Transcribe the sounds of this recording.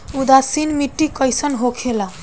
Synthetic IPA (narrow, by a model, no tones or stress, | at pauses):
ud̪asinmiʈːikəjsənɦokʰela